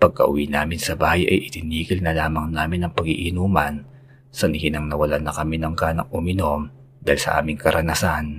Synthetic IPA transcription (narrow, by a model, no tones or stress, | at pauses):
pɐɡ̚kɐ̰ʔʊ̰winaːmɪnsɐbaːhɐjʔɐ̰jʔɪt̪ɪniːkɪlnɐlaːmɐŋnaːmɪnɐŋpɐɡiʔɪnuːmɐn | sɐnɪhɪnɐŋnɐwɐlanɐkɐminɐŋkaːnɐŋʔʊmɪno̞m | d̪aːhɪlsɐ̰ʔa̰ːmɪŋkɐɾʔɐnasan